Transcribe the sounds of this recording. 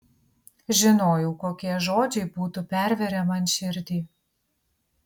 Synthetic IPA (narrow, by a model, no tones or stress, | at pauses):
ʒʲɪnoːjɛʊkoːkʲiɛʒoːd͡ʒʲɛɪbuːt̪upʲæɾʲʋʲɛɾʲɛmɐnʃʲɪɾʲd̪ʲiː